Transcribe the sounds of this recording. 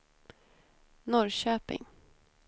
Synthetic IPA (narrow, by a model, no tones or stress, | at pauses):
nɔɾɕøːpɪ̰ŋ